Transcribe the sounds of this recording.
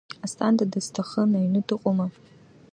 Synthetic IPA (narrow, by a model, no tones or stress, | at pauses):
astʰʼandadastʰaχənajɥnɨdɨqʼoma